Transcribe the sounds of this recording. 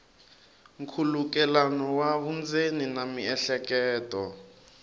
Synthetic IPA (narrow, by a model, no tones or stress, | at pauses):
ŋ̩kʰuluk̬ɛlanɔwaβund͡zeninamiɛɬɛkɛːtʼɔ